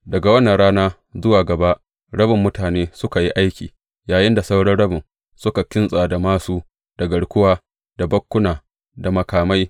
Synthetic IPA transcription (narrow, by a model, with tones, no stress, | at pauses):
dɐ˨ɡa˨wɐ˦nːa˨ɽaː˦naː˦ | zʊ˦waː˨ɡɐ˨ba˦ʔ | ɽɐ˦bɪ˨mːʊ˦taː˨neː˦sʊ˦ka˨ji˦ʔa˦jkʲiː˨ | jaː˨jɪ˦nda˨sa˦wɽɐ˦rɽɐ˦bɪ˨n | sʊ˦ka˨kʲɪ˦nsʼaː˨da˨maː˦suː˦ | d̥ɐ˨ɡɐ˨ɽkʷʊ˦waː˦ | d̥a˨bɐ˦kʷːʊ˦naː˨ | da˨mɐ˨kaː˨ma˦j